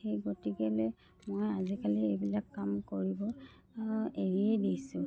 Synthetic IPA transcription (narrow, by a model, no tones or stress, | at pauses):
xejɡotiɡɛlɛ | mojazikaliejbilakːamkoɹibɔ | eɹiɛdijsʊ̃